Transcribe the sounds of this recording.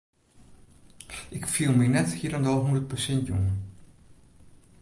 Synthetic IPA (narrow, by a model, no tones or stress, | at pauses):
ʔɪkfiəlˠməjnɛthiəɾəndɔlˠɦundərt̚pəsɛntjunə